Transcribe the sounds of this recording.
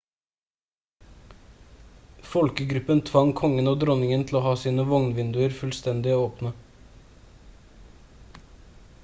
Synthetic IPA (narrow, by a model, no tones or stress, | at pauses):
fɔlkəɡɾʉpənt̪ʰʋɑŋkʰɔŋənoːd̪ɾɔnɪŋənt̪ʰl̩oːhɑːsiːnəʋɔŋnʋɪnd̪ʉəɾfʉlst̪ɛnd̪ɪoːoːpnə